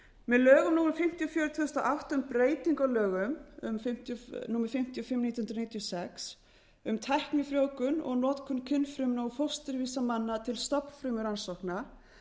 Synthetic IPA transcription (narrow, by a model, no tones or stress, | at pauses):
mɛðlœːɣʏmnuːŋɾʏmfɪm̥t̪iɔfjœːɾʏt̪ʰʏðʏst̪ɔʔawht̪aʏmpɾeːjt̪iŋkalœːɣʏmʏ̰mfɪm̥t̪nuːmɪɾfɪm̥t̪jɔfɪmːnit̪jhʏnɾɔnijt̪jɔsɛks | ʏmt̪ʰajhknɪfɾjoːwkʏnɔ̰ɣnɔːt̪kʰʏnkʰʏnfɾʏmnowfɔwst̪ɪɾviːsamanːat̪ʰɪlst̪ɔpn̥fɾʏmʏɾansɔhkna